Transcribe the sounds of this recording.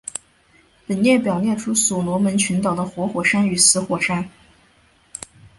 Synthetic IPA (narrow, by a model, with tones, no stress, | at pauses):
pə˨˩nnjɛ˥˩pjɑ˨˩ʊnjɛ˥˩nʈ͡ʂʰu˥su˨˩nwɔ˧˥mə˧˥nt͡ɕʰy˧˥nt̪ɑ˨˩ʊd̪ə˦xwɔ˧˥xwɔ˨˩ʂa˥ny˨˩sɹ̩˧˥xwɔ˨˩ʂa˥n